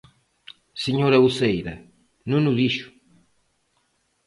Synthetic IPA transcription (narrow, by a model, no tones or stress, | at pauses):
seɲoɾɐusejɾɐ | nũnuðiʃʊ̥